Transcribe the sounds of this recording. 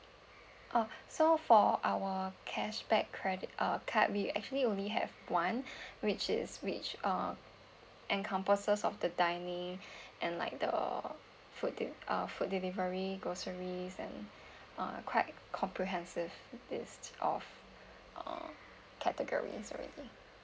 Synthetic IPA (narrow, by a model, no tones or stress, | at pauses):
ʔʌsofɔʔawəkʰɛʃbɛkʰːɹɛdɪtʔʌkʰaʔ̚wiɛ̰k̚t͡ʃuəliõnliɦɛ̰vwãnwɪt͡ʃɪ̰swɪt͡ʃʌ | ʔɛ̃nkʰãmpəsəsɔfdədaɪnĩŋʔɛ̃nla̰ɪk̚də̰ | fut̚dʔʌ̰fut̚dilivəɹiɡɹosəɹisɛ̰̃n | ʌ̰̃kʰwaɪt̚ | kʰɔ̃mpʰɹiɦɛ̃nsɪvlɪstʔɔ̰f | ʔʌ̰̃ | kʰɛtəɡɔ̰ɹḭsɔ̰ɹɛ̰di